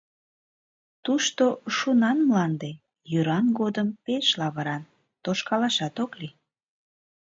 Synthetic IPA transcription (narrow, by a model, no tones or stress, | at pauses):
t̪uʃt̪oʃunɑnmlɑnd̪e | jyɾɑnɡod̪əmpeʃlɑβəɾɑn | t̪oʃkɑlɑʃɑt̪okli